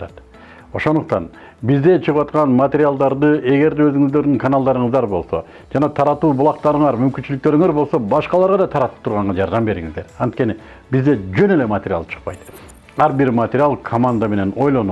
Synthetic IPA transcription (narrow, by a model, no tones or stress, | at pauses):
t̪ɑt̪ | o̞ʃo̞nd̪uq̚t̪ɑn | bizd̪e̞t͡ʃʰɯʁɯpwɑt̪qɑnmɐt̪ʲeɾʲɪjalˠd̪ɑɾd̪ɯe̞ɡe̞ɾd̪eø̞zyŋyzd̪ø̞ɾd̪yŋkʰanalˠd̪ɑɾɯɴɯzd̪ɑɾbo̞lˠso̞̰ | d͡ʒɑnɑt̪ʰɑɾɑt̪uːbulˠɑqt̪ɑɾɯɴɑɾmymkynt͡ʃylyk̚t̪ø̞ɾyŋeɾbo̞lˠso̞bɑʃqɑlˠɑɾʁɑd̪ɑt̪ʰɑɾɑt̪ɯ̥p̚t̪ʰuɾʁɑɴʁɑd͡ʒɑɾd̪ɑmbe̞ɾiŋḭzd̪e̞ɾɑnt̪̚ke̞ni | bizd̪e̞d͡ʒøne̞le̞mɐt̪ʲeɾʲjalˠt͡ʃʰɯ̥q̚pɑjt̪ | ɑɾbiɾmɐt̪ʲeɾʲjalˠkʰomand̪ame̞ne̞no̞jlˠo̞nu